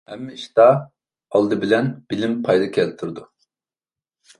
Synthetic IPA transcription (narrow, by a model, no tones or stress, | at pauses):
hɛmːɛiʃt̪ɑ | ɑlˠd̪ɯbilɛnb̥ilimpʰɑjd̪ɑkʲʰɛlt̪ʰuɾd̪u